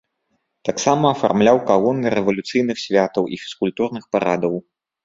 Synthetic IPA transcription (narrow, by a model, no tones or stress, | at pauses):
t̪aksamɐːfa̰rmlʲawkaɣɔnːɨɾɛvɐlʲut̪sɨjnɨxsʲvʲat̪ɐwʔḭfʲi̥skulʲt̪urnɨxpaɾad̪ɐw